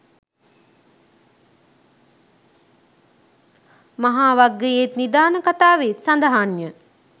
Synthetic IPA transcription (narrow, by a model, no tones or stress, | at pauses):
maɦaːʋaɡːejet̪nid̪aːnəkat̪aːʋet̪sand̪əɦanjə